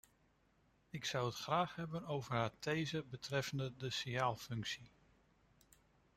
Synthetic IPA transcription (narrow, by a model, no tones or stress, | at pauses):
ɪksʌwətχraːχɦɛbənowvəɹɦaːɹtejzəbətrɛfəndədəsijaːlˠfɵŋksi